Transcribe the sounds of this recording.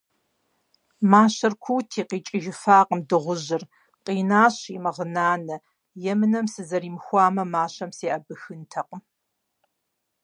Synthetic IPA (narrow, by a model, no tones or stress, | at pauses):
maːɕɐrkʷʰuːtʰiːqiːt͡ʃʼɪʒɪfaːqəmdɨʁʷʊʑɪr | qʼiːnaːɕimɐʁənaːnɐ | jɛmɨnɐmsɨzɐɾiːmxʷɑːmɐmaːɕɐmsiːʔɐbɨxɨntʰɐqəm